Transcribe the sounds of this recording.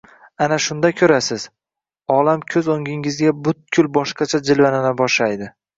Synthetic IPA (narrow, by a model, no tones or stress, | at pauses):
anaʃʊnd̪akʲʰɵɾasɪz̥ | ɒlamkʲʰɵzoŋɡʲɪŋɪzɡʲabʊt̪̚kʲʰʊlbɒʃqɑt͡ʃʰad͡ʒɪlvananɪbɒʃlajd̪ɪ